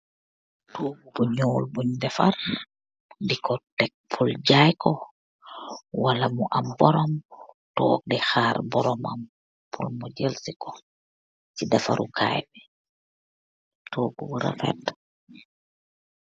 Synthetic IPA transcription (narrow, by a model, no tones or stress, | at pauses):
tʰoːɡubuɲoːlbuɲdɛfar | dikʰɔtɛk̚pʰulɟajkʰɔ | walamuʔambɔɾɔm | tɔ̰ːk̚dɛxaːɾbɔɾɔma̰m | pʰulmɔɟɛlsikɔ | t͡ʃidafa̰ɾukʰa̰ːjbɛ | toːɡubuɾa̰fɛ̰t